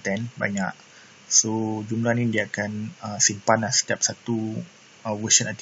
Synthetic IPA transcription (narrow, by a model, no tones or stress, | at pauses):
t̪ɛnba̰ɲa̰ʔ | sod͡ʒumlahnidiakanə̃simpanlahsə̥t̪jap̚sat̪u | əwəsənat̪